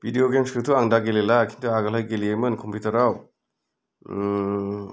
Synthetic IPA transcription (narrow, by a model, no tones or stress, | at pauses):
b̥ʱidijoɡemskɯtʰuaŋdaɡelelakʰintʰuaɡalajɡeliejmɯnkʰɔmpʰitɐɾaw